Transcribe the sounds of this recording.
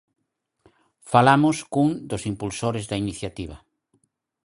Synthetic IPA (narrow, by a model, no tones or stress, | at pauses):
falamʊskuŋd̪ʊsimpulsoɾɪzd̪ainiθjat̪iβ̞ɐ